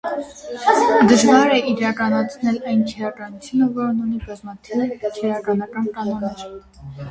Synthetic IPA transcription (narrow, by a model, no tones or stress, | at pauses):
d̪əʒvɑɾɛiɾɑkɑnɑt͡sʰnɛlɑjnkʰɛɾɑkɑnut͡sʰjunəvɔɾnunibɑzmɑt̪ʰivt͡ʃʰɛɾɑkɑnɑkɑnkɑnɔnɛɾ